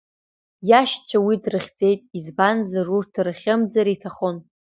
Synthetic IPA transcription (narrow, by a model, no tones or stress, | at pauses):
jaʃt͡ʃʷʰawidrɨχʲd͡ze̞jtʼizbanzarurtʰrɨχʲɪmd͡zaɾitʰaχon